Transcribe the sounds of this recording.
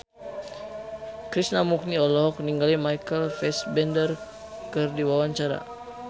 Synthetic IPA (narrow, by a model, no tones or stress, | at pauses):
kɾisnamuk̚niɔlɔɦɔk̚niŋɡalimajkəlfɛsbɛndər | kərdiwawaɲt͡ʃaɾa̰